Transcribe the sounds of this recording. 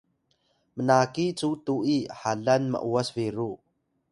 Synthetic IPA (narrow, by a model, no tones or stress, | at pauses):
mənakit͡sut̪uʔihaɮɐnmə̰ʔuəsveɾu